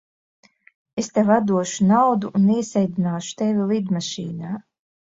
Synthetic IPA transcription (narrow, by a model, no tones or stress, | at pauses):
est̪evad̪uɔʃunawd̪uʔːniɛsɛjd̪inaːʃu̥t̪evʲilˠid̪maʃḭːnaː